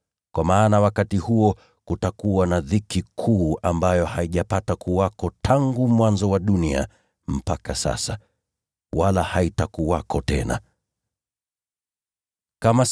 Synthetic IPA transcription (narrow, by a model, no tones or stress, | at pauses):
kwamaːnawakatihuɔ | kutakuwanaðikikʰuːambajɔhaiʄapatakuwakɔtʰaŋɡumwanzɔwaɗunia̰ | m̩pakasa̰sa | walahaitakuwakɔtɛ̰na̰ | kamas